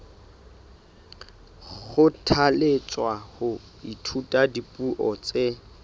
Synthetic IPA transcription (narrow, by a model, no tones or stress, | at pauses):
χʊtʰalet͡sʼwahʊ | itʰutʼadipʼuʔɔt͡sʼe